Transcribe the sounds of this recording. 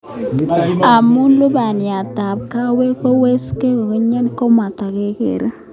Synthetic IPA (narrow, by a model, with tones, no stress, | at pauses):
a˨mu˦nlu˦ba˨nja˨ta˨p̚ka˦we˦ko˦we˦ske˦ko˨ke˦ɲa˦n˦ko˦ma˨ta˨ke˨kḛ˨ɾe˦